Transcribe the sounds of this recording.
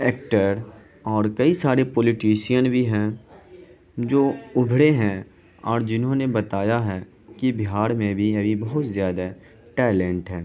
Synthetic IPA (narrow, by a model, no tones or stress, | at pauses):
ɛːk̚ʈəɾ | ɔːɾkɐisaːɾepɔːlɪʈiːʃijənbʱiɦɛ̃ | d͡ʒoːʊbʱɽeɦɛ̃ | ɔːɾd͡ʒɪnɦõnebɐt̪aːjaɦɛː | kibɪɦaːɾmẽbʱiɐbʱibɐɦʊt̪zjaːd̪a | ʈɛːlɛ̃ɳʈɦɛ̃ː